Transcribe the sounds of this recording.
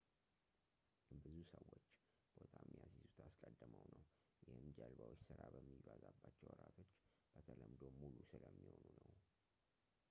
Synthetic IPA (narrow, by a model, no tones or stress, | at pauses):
bɨzusəwːot͡ʃː | b̥ot̪ʰamːijasizut̪ʰaskʼəd̪ːɨməwnəw | jɪhɨnd͡ʒalbawot͡ʃːsɨɾabəmːivazabːat͡ʃːɛwəɾat̪ʰo̞t͡ʃː | b̥ət̪ʰələmd̪omulusɨləmːiho̞nunəw